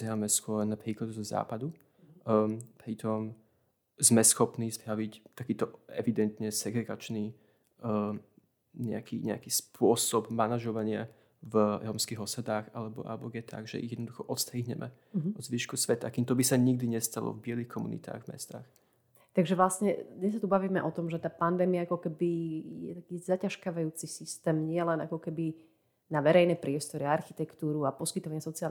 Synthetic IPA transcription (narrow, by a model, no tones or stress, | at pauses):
amɛskʊɔɾnapɾiːklad̪zɔza̰ːpad̪u | pɾit̪ɔm | zmɛsxɔpnisbɾaʋict̪akiːt̪ɔʔɛ̰ʋid̪ɛnt̪ɲɛsɛɡɾɛɡat͡ʃni | ɲɛakʰḭɲɛa̰kispʊɔsɔbmanaʒɔʋaɲɪa | vɾɔmskiɦɔsad̪aːxalɛbɔʔa̰lbɔɡjɛt̪ʰa̰ɡʒɛ̰ḭɣjɛd̪nɔd̪uxɔʔɔt̪st̪ɾiːɦɲɛ̰mʔɛ̰ | ɦɔd̪zʋiːʃkusʋɛt̪aakimt̪ɔbisaɲiɡ̚d̪iɲɛst̪alɔ̰vbɪɛlixkʰɔmṵnḭt̪a̰ːɣvmɛ̰st̪a̰ːx | t̪aɡʒɛʋlasɲɛɲɛs̬ːat̪ubaʋiːmɛʔɔt̪ɔmʒɛt̪aːpand̪ɛːmiaakɔkɛbijɛ̰t̪akiːzacaʃkaʋajuːt͡sisist̪ɛːmɲɪɛlɛna̰kɔkɛbi | naʋɛɾɛjnɛpɾɪɛst̪ɔɾiaaɾxit̪ɛkt̪uːɾuapɔskit̪ɔʋaɲɪasɔt͡sial